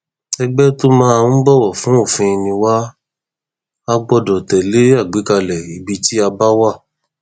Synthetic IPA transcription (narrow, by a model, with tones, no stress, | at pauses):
ɛ˧ɡ͡bɛ˦to˦mã˦ã˧˦bɔ˦˨wɔ˨fũ˨˦o˦˨fĩ˧i˧nĩ˧wa˦ | a˦ɡ͡bɔ˧dɔ˨tɛ˨le˨˦a˦˨ɡ͡bi˨˦ka˧lɛ˨i˨bi˧ti˦a˧ba˦wa˦˨